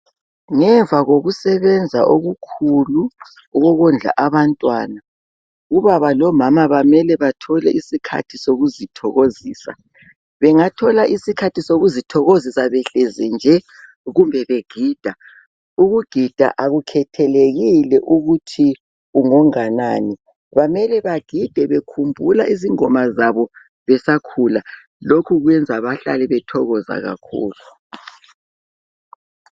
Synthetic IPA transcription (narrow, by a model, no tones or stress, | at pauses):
ŋɛɱvʱaɣoɣusɛβɛnd͡zʱa̰ʔoɣukʰulu | ɔɣɔɣɔnd͡ɮʱa̰ʔaβantʼwaːna | uβaβalɔmamaβamɛlɛβatʰɔlɛ̰ʔisikʰa̰tʰisoɣuzitʰɔɣoziːsa̰ | βɛŋatʰɔlaʔisikʰatʰisoɣuzitʰɔɣozisaβɛɬezind͡ʒʱɛ | ɣumbʱɛβeɡ̥ʱiːd̥ʱa | uɣuɡ̥ʱid̥ʱa̰ʔaɣukʰɛtʰɛleɣilɛʔuɣutʰi | uŋɔŋanani | βamɛlɛβaɡ̥ʱid̥ʱɛβekʰumbʱulaʔiziŋɔmazaβɔ | βɛsakʰula | lokʰuɣwɛnd͡zʱaβaɬa̰lɛβɛtʰɔɣɔza̰ɣa̰kʰṵːlu